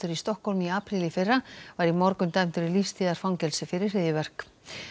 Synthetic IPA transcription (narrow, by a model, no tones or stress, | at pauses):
t̪ʏɾist̪ɔhkholmiaːpɾilɪfɪrːavaɾimɔɾkʏnt̪ajmt̪ʏɾilist̪iːðaɾ̥fawŋcɛlsɪfɪɾɪr̥ːɪːðjɪvɛr̥k